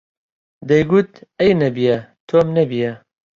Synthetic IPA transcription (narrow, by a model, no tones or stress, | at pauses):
d̪ɛjɡut̪̚ɛjnɛbijɛt̪ʰoːmnɛbijɛ